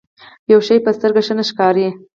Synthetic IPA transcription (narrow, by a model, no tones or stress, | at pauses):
jawʃajpəst̪əɾɡaʃənəʃkɑɾi